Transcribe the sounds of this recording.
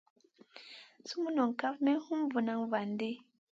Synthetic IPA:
su˦mu˦nɔ˨ŋ˨ka˦fmɛ˦n˦hu˦m˦vu˨na˨˦ŋva˨n˦de˦

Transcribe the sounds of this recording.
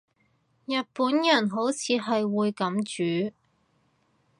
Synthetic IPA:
jɐ˨t̚puː˨˥njɐ˨˩nɦo˨˥wt͡sʰiː˨˧ɦɐ˨jwuː˨˧jkɐ˨˥mt͡ʃyː˨˥

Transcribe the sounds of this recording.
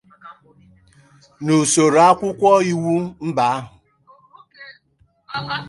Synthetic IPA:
nu˨so˨ɾa˦kʷʊ˦kʷɔ˦i˦wu˦m̩˦ba˨a˦ɦʊ˨

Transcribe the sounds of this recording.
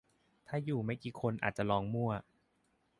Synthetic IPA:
t̪ʰaː˥˩juː˨˩ma˥˩jkiː˨˧kʰo˧nʔa̰ː˨˩t̪̚t͡ɕa˨˩lɔː˧ŋmu˥˩ɐ

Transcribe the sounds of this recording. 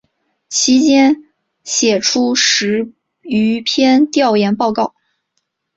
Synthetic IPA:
t͡ɕʰi˧˥t͡ɕjɛ˥n | ɕjɛ˨˩ʈ͡ʂʰu˥ʂɻ̩˧˥ | y˧˥pʰjɛ˥nt̪jɑ˥˩ʊjɛ˧˥npɑ˥˧ʊkɑ˥˩ʊ

